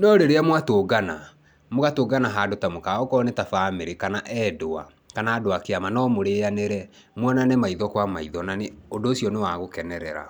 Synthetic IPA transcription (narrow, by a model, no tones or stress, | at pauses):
nɔɾeɾeamwatoːɡana | moɣatoːɡanaɦaːdotamokaɔkɔnetafameɾekanaʔɛːdoa | kanaːdoakeamanɔmoɾeːaneɾɛ | mwɔnanemaiðɔkwamaiðɔnaneondoːsjɔnewaɣokɛnɛɾɛɾa̰